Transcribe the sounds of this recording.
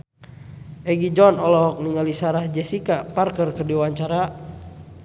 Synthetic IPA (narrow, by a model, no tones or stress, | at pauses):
ʔɛɡid͡ʒɔnɔlɔɦɔk̚niŋalisaɾahd͡ʒɛsikaparkərkərdiwaɲt͡ʃaɾa